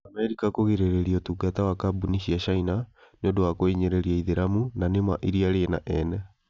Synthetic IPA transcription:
amɛɾikakoɣeɾeɾeɾiɔtuɡatawakabuniʃiaʃainaneondowakoiɲeɾeɾiaiðeɾamunanema̰ʔiɾiaɾeːna̰ʔɛnɛ

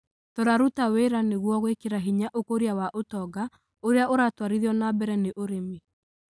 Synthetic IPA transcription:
toɾaɾutaweɾaneɣwɔɣwekeɾaɦiɲaʔokoɾiawaʔotɔɡa | oɾeaʔoɾatwaɾiðjɔnabɛɾɛneʔoɾemi

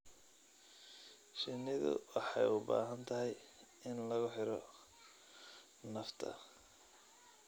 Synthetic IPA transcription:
ʃɪnːɪðʊ̰wɑħɑjʊbaːɦɐnt̪ʰɐɦɛj | ɪnlɐɣʊħɪɾɔ | nɐft̪ʰɐ̰

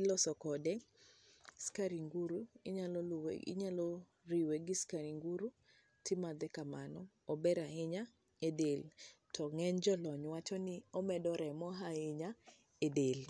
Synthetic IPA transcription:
lɔsɔkɔdɛ | skaɾiŋɡuɾuɪɲalɔlw̰ɪ̰ɲalɔ | ɾiweɡɪskaɾiŋɡuɾu | tɪmad̪ɛkamanɔ | ɔbɛɾaɪɲa | edeltʰɔŋɛɲd͡ʒɔlɔɲwat͡ʃɔnɪɔmɛdɔɾɛmɔɦaɪɲa | edel

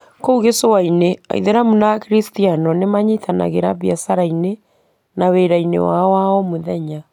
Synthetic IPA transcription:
kouɣesowainea̰ḭðeɾamunakɾistianɔnemaɲitʰana̰ɣeɾaβjasaɾaine | naweɾainḛwawaɔmoðɛɲa

